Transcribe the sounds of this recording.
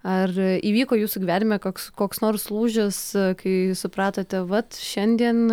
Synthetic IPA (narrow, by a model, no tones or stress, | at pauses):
ɐriːʋʲiːkoːjuːsʊɡʲɪʋʲæːnʲɪmʲɛkoːkskoːksnoːrslˠuːʒʲɪskɐɪsʊpɾɑːt̪ot̪ʲɛʋɐt̪ʃʲɛnʲd̪ʲiɛn